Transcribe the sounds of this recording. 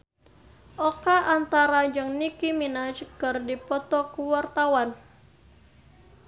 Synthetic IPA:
ʔɔkaʔant̪aɾad͡ʒɨŋnikiminat͡ʃəɡərdipɔt̪ɔkuwart̪awan

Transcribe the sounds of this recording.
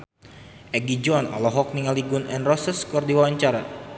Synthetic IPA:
ʔɛɡid͡ʒɔna̰lɔɦɔk̚niŋaliɡunɛnrɔsəskɔrdiwawaɲt͡ʃaɾa̰

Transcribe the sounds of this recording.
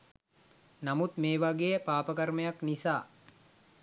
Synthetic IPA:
namut̪meːʋaɡejəpaːpəkaɾməjaknisaː

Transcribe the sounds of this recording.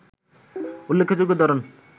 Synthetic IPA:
ulːekʰːod͡ʒoɡod̪ɔɾon

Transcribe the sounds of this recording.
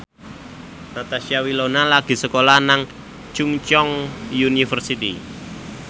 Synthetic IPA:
nat̪aʃiawilonalaɡ̥i̤səkolanaŋ | t͡ʃuŋt͡ʃɔŋjunifərsit̪ḭ

